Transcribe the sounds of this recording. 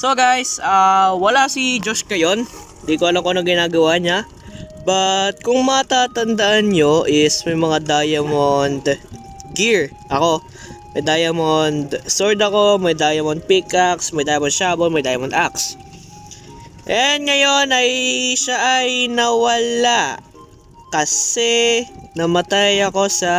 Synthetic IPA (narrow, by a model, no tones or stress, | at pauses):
soɡajsawɐlasid͡ʒoskɐjo̞n | d̪ikoʔɐlɐŋkoɐnoŋɡɪnaːɡɐwaɲa | bɐt̪̚kʊŋmɐɐt̪aːt̪ɐnd̪ɐʔanɲo̞ʔɪsmɐjmɐŋad̪aːjɐmond̪ | ɡiɹ | ʔɐko̞ | mɐjd̪aːjɐmond̪soɹd̪ɐko̞mɐjd̪aːjɐmond̪̚pikʔaksmɐjd̪aːjɐmɔnd̪̚ʃaːbolmɐjd̪aːjɐmɔnd̪ʔaks | ʔɛnŋɐjo̞nɐjʃaʔɐjnɐwɐla | kɐsɛnɐmɐt̪ajɐko̞sɐ